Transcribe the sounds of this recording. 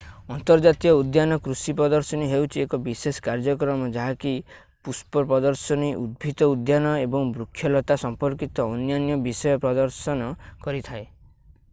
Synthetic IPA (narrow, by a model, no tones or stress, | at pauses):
ɔnt̪ɔɾd͡ʒat̪ijɔud̪janɔkɾusipɾɔd̪ɔɾsɔniɦewt͡ʃʰiekɔbisesɔ̥kaɾd͡ʒɔkɾɔmɔd͡ʒaɦaki | puspɔɾpɾɔd̪ɔɾsɔniʔṵd̪̚bʱit̪ɔud̪janɔebɔŋbɾukʰːjɔlɔt̪asɔmpɔɾkit̪ɔːnjanjɔbisɔjɔpɾɔd̪ɔɾsɔnɔkɔɾit̪ʰae